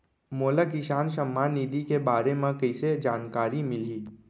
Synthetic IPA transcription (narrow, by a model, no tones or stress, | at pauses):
moːləkiʃaːnʃəmːaːnːiːd̪ikebaːɾemẽkəɪsed͡ʒaːnkaːɾimɪliː